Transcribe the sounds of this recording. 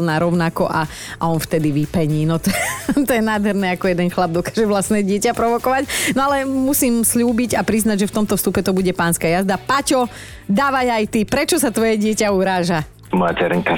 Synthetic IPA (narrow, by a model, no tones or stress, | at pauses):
lnaːɾɔʊnakɔʔa | ʔaɔnft̪ɛd̪iʋipɛɲiːnɔt̪ɔɛt̪ɔjɛnaːd̪ɦɛɾnɛːakɔjɛd̪ɛnxlab̚d̪ɔkḁːʒɛʋlast̪nɛːɟɪɛcapɾɔʋɔkɔʋacnɔalɛmusiːmsʎuːbiɟapɾiznaɟʒɛft̪ɔmt̪ɔfst̪upɛt̪ɔbuɟɛpaːnskaːjazd̪apacɔ | d̪aːʋajajt̪ipɾɛt͡ʃɔsat̪ʋɔjɛɟɪɛcauɾaːʒa | mɔja̰tɛɾɛŋka